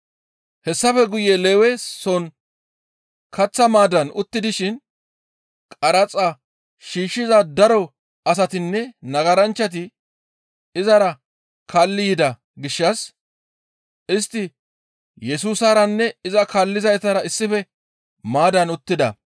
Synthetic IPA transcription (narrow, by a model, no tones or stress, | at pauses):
hɛsːɐfɛɡʊjeleːwɛsɔn | kɐt͡sːɐmaːd̪ɐnʊt̪ːɪd̪ɪʃɪn | kʼɐɾɐt͡sʼa | ʃiːʃːɪzɐd̪ɐɾɔ | ɐs̬ɐt̪ɪnːɛnɐɡɐɾɐnt͡ʃːɐt̪̬ɪ | ɪzɐɾɐ | kaːlːɪjɪd̪ɐ | ɡɪʃːɐs | ʔɪst̪ːɪ | jɛsuːsɐɾɐnːɛɪzɐkaːlːɪzɐjt̪ɐɾɐɪsːɪfɛ | maːd̪ɐnʊt̪ːɪd̪ɐ̰